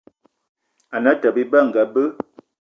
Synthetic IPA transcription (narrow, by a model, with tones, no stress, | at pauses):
a˨nə˨˦tə˨bi˦bə˦˨ŋ̩˨ɡə˨bə˦